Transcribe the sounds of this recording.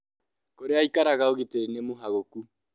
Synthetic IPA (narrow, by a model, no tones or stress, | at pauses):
koɾeaikaɾaɣaoɣeteinemoɦaɣoku